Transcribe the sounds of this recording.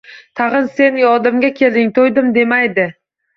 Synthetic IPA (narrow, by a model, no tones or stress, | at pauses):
t̪ʰɑʁɨnse̞njɒd̪ɪmɡʲakʲʰe̞ld̪ɪŋt̪ʰojd̪ɪmd̪e̞majd̪ɪ